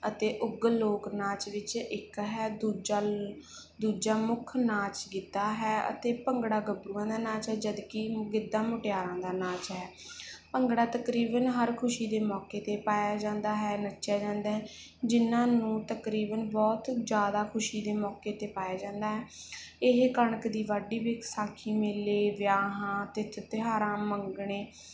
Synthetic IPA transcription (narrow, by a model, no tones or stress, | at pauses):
ət̪eːʔʊɡəloːknaːt͡ʃʋɪt͡ʃɪkɦɛːd̪uːd͡ʒa | d̪uːd͡ʒaːmʊkʰnaːt͡ʃkiːt̪ːaːɦɛːə̰t̪eːpəŋɡɽaːɡəbɾuːãːd̪aːnaːt͡ʃɦɛːd͡ʒəd̪kiɡɪd̪ːãːmʊʈejaːɾãːd̪aːnaːt͡ʃɦɛː | pəŋɡɽaːt̪əkɾiːbənɦəɾkʰʊʃiːd̪eːmɔːkeːt̪eːpaːjaːd͡ʒãːnd̪aːɦɛːnətːʃaːd͡ʒãːnd̪ɛːɛ̃ː | d͡ʒɪnãːnũːt̪əkɾiːbənbɔːt̪d͡ʒjaːd̪aːkʰʊʃiːd̪eːmɔːkeːt̪eːpaːjaːd͡ʒãːnd̪aːɦɛː | ɪɦkəɳ̃əkd̪iːʋaːɖiːbɪksãːkʰiːmɪleːʋɪjaːɦãːt̪et̪ʰːt̪ɪɦaːɾãːmːəŋɡɽeː